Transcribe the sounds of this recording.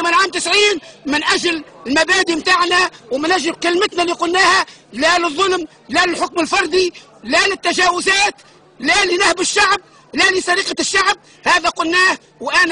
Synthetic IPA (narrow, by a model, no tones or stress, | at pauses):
mɪnʕaːmt̪ɪsʕiːnmɪnʔaʒlɪlmabaːd̪imt̪aːʕnawmɪnaʒɪbkɪlmɪt̪naliːqʊlːaːhalalɨðˤːʊlm | lalɪlħʊkmɪlfɑɾˤd̪ˤi | lalɪt̪ːaʒaːwɪzaːt̪ | lalinahbɪʃːaʕb̚ | lalisˤɑɾiːqaʃːaʕb̚ | haːðaqʊlːaːh | wʔan